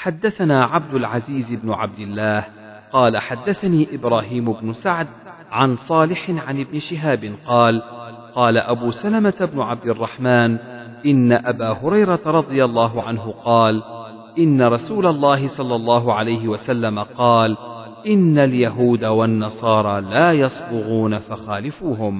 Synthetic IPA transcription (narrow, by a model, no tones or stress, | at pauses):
ħad̪ːaθanaːʕab̚d̪ʊlʕaziːzɪbnʊʕa̰b̚d̪ɪlːaːh | qɑːlaħad̪ːaθaniːʔɪbɾaːɦiːmʊbnʊsaʕd̪̚ | ʕansˤɑːlɪħɪnʕanʔɪbnɪʃɪɦaːbɪnqɑːlqɑːlaʔabuːsalamat̪abnʊʕab̚d̪ɪrˤːɑħmaːn | ʔɪnːaʔabaːhʊɾɑjɾˤɑt̪aɾˤɑd̪ˤɨjalˤːɑːɦʊʕanɦʊqɑːl | ʔɪnːaɾˤɑsuːlalˤːɑːɦɪsˤɑlːɑlˤːɑːɦʊʕalajɦɪwasalːamaqɑːl | ʔɪnːaljaɦuːd̪awanːɑsˤɑːɾˤɑːlaːjɑsˤbʊɣuːnafaxaːlɪfuːhʊm